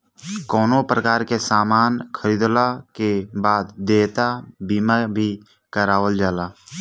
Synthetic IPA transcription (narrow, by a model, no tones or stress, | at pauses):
kɔːnopɾəkaːɾkesaːmaːnkʰəɾiːd̪lakebaːd̪ːeːt̪abiːmabʱi | kəɾaːwəld͡ʒaːlaː